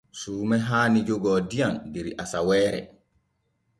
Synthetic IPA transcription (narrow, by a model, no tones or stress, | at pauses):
suːmɛɦaːnid͡ʒoɡɔːdijandiɾiʔasawɛːɾɛ̰